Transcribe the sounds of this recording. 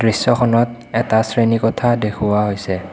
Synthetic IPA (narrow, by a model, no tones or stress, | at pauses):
dɹisːɔxʰɔnɔt̚ | ɛtasɹenikɔtʰadekʰuwaɦojsɛ